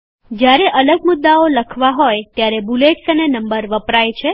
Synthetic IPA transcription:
d͡ʒjaɾeʔələɡmʊd̪ːaoləkʰʋaɦojt̪jaɾebuleʈsənenəmbəɾʋəpɾajt͡ʃʰe

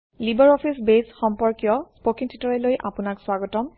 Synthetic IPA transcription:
libɔɹɔpʰisbesxɔmpɔɹkijɔspokiŋtʰitɔɹɛlojʔapʊnakswaɡɔtɔm

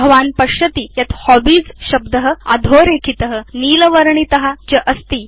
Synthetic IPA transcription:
bʱɐʋaːnpəɕət̪iːjɐt̪hɔbiːd͡zɕɐbd̪əɦəa̰d̪ʱoːɾekʰit̪əɦəniːləʋəɾɳit̪əɦat͡ɕəʔəst̪iː

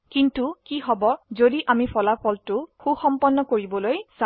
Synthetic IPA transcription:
kintukiɦɔbɔzodiʔamipʰɔlapʰɔltʊxuxɔmpɔnːɔkoɹibɔlojsa

